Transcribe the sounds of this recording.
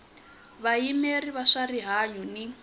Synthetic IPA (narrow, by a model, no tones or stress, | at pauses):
βajimeriβaʂariɦaɲuni